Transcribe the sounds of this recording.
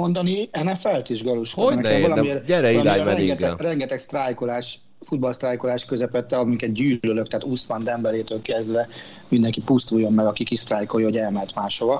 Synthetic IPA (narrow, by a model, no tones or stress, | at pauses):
mo̞nd̪ɒniɛnɛfɛlt̪iʒɡɒluʃkonɛnɛblɒmirɟɛɾɛilamɛɛɡɛtɛrɛŋɡɛt̪ɛkst̪rajkolaːʃ | fud̪̚bɒlst̪raːjkolaːʃkøzɛpɛt̪ːɛɒmikɛt̪̚ɟyːløløkt̪ɛaːt̪usʋɒnd̪ɛmbɛleːt̪øːlkɛzd̪ʋɛ | mind̪ɛŋkipust̪uːjo̞mmɛɡɒkikist̪raːjkojho̞ɟɛlmɛlt̪maːʃhovɒ